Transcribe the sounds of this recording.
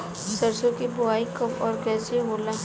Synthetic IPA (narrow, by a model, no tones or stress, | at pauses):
səɾsõkibʊaːikəpɔːɾkɛːt͡ʃeɦoːlaː